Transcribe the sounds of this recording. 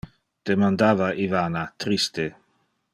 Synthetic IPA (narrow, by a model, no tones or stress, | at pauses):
d̪̥emand̪aːvaʔivaːnat̪ɾist̪e